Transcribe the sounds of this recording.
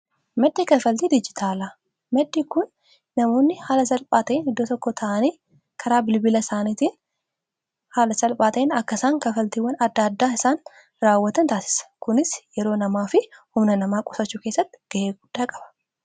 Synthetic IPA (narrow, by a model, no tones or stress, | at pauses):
mɛd̪ːiːkɐfɐlt̪iːd̪ɪd͡ʒɪt̪ʰaːla | mɛd̪ːiːkʊnː | ɐmo̞ːnːɪhaːlɐsɐlpʼaːt̪ɐʔɪnɪd̪ːoːt̪ɔkːɔt̪ʰɐʔɐniː | kʰɐɾaːbɪlbɪlɐsaːnit̪iːn | haːlɐsɐlpʼaːt̪ɐɪnɐkːɐsaːŋkɐfɐlt̪iːwːɐnɐd̪ːaːd̪ːaːɪsaːn | ɾaːwːɐt̪ɐnt̪aːsɪ̥sɐ̥kʊnɪsjɛɾo̞ːnɐmaːfɪhʊmnɐnɐmaːkʼɔ̥sɐt͡ʃːuːke̞ːsːɐt̪ːɪ̥ɡ̥ɐʔeːɡʊd̪̥ːaːkʼɐ̥b̥ɐ̥